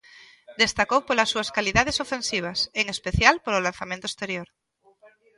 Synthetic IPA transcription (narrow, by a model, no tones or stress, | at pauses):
d̪e̞st̪akowpolasːuaskaliðað̞esofe̞nsiβ̞aseŋespeθjalpoɾolanθamẽnt̪oest̪e̞ɾjoɾ